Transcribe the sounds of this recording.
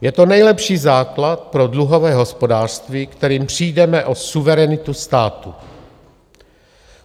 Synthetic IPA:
jɛt̪o̞nɛjlɛpʃiːzaːklat̪̚pɾo̞dluɦo̞vɛːɦo̞spo̞daːr̥st̪viːkt̪ɛɾiːmpr̝̥iːdɛmɛʔo̞suvɛɾɛnɪt̪ust̪aːt̪u

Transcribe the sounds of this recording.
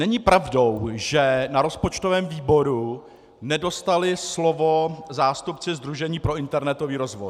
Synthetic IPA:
nɛɲɪpɾavdo̞wʒɛnaɾo̞spot͡ʃt̪ovɛːmviːbo̞ɾu | nɛdo̞st̪alɪslovo̞zaːst̪upt͡sɪzd̪ɾuʒɛɲiːpɾo̞ɪnt̪ɛɾnɛt̪o̞viːɾo̞zvo̞̰j

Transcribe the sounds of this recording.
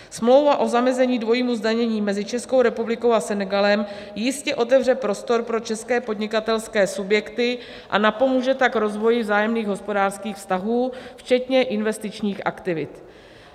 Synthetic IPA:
smlo̞wvaʔo̞zamɛzɛɲiːdvo̞jiːmuzdaɲɛɲiːmɛzɪt͡ʃɛsko̞wɾɛpublɪkowasɛnɛɡalɛm | jɪscɛʔo̞t̪ɛvr̝ɛpɾo̞st̪o̞ɾpɾo̞t͡ʃɛskɛːpo̞dɲɪkat̪ɛlskɛːsubjɛkt̪ɪ | ʔa̰napo̞muːʒɛt̪akɾo̞zvo̞jɪvzaːjɛmniːɣɦo̞spo̞daːrskiːxfst̪aɦuːft͡ʃɛt̪ɲɛʔɪnvɛst̪ɪt͡ʃɲiːxʔa̰kt̪ɪvɪt̪

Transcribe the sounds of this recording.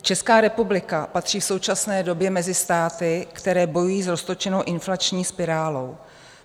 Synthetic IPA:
t͡ʃɛskaːɾɛpublɪkapat̪r̝̥iːfso̞wt͡ʃasnɛːdo̞bjɛmɛzɪst̪aːt̪ɪkt̪ɛɾɛːbo̞jujiːzɾo̞st̪o̞t͡ʃɛno̞wʔɪnflat͡ʃɲiːspɪɾaːlo̞w

